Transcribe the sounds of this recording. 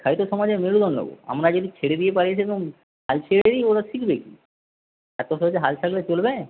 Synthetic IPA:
kʰajt̪osɔmad͡ʑemeɽud̪ʱɔnlo̰ɡo̰a̰mɾad͡ʒod̪it͡ɕʰeɽed̪ijepaɾiet͡ʃʰet̪o | ɦalt͡ʃʰeɽeioɾasikʰbeki | ɛt̪oɔd͡ʑeɦalt͡ʃʰaklet͡ɕolbe

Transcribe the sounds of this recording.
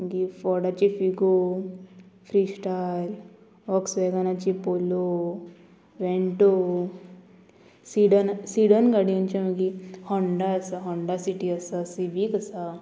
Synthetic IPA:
məɡifɔɾɽat͡ɕifiɡo | fɾisʈal | ɔksʋɛɡanat͡ɕipolo | ʋẽɳʈo | siɖənsiɽənɡaɽijɔnt͡ɕaməɡihɔɳɖaəsaɦɔɳɖasiʈiəsasibikəsa

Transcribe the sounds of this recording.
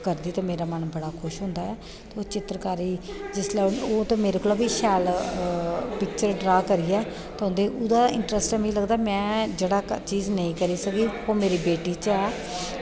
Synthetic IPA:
kəɾd̪iːt̪eːmeːɾaːmənbəɽaːkʰʊʃɦʊ̃ːnd̪aːɛː | t̪ːoːt͡ʃɪt̪ɾkaːɾiːd͡ʒɪslaːoːt̪õːmeːɾekoːlaːbiːʃɛːl | pɪk̚t͡ʃəɾɖɾaːkəɾiːɛː | t̪ːɦõnd̪eːʔʊd̪aːɪ̃ɳʈɾəsʈɛ̃ːmə̃ĩːləɡd̪aːmɛ̃ːd͡ʒeːɽaːt͡ʃiːznəĩːkəɾiːsəɡiːoːmeːɾiːbeːʈiːt͡ʃɛː

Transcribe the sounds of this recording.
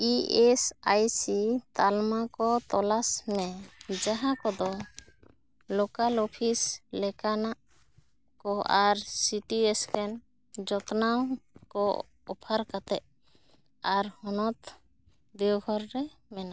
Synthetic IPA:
iɛsajsit̪almakɔt̪ɔlasmɛd͡ʒaɦãkɔd̪ɔ | lokalɔpʰislɛkanaʔ | kɔaɾsiʈiɛskɛn | d͡ʒɔt̪nawkɔ | ɔpʰaɾkat̪ɛʔ | aɾhɔnɔt̪ | d̪ɛwɡʱɔɾɾɛmɛna

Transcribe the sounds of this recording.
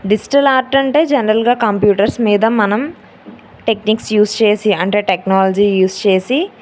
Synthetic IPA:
ɖid͡ʒi̥ʈɐlaːɾʈɐɳʈe̞ːd͡ʒɛnɐɾɐlɡaːkɐmpjuːʈɐɾsmiːd̪ɐmɐnɐm | ʈe̞kniːksjuːst͡ʃe̞ːsiɐɳʈe̞ːʈeknaːlɐd͡ʒiːjuːst͡ʃe̞ːsi

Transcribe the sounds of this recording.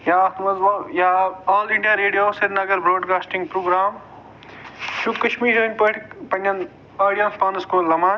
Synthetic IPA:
jaːt̪mɐzɐjaaːliɳɖjaːɾeːɖijoːsɐɾnɐɡɐɾbɾoːɖkaːsʈiŋɡpɾoːɡɾaːm | ʃud̪kɐʃmiːɾoːnʲpəʈpɐnʲːɐn | paːɽijɐspaːnɐskoːlɐmaːn

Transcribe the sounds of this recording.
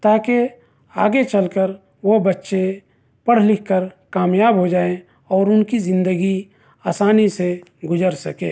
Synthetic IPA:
t̪aːke | aːɡet͡ʃəlkəɾ | ʋobətːʃe | pɐɽ̤lɪkʰkəɾkaːmjaːbɦod͡ʒaːẽ | ɔːɾʊnkizɪ̃nd̪əɡi | aːsaːniseɡʊd͡ʒəɾsɐkḛ̃ː

